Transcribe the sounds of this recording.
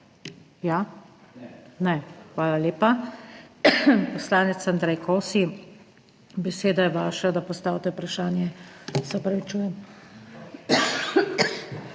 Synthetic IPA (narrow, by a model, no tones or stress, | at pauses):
ja | nɛxʋaːlaleːpa | pɔslaːnɛt̪sand̪ɾɛjkɔːsi | bɛseːd̪ajɛʋaːʃad̪apɔst̪aːwt̪ɛupɾaʃaːnjɛsɛɔpɾɐʋit͡ʃuːjɛm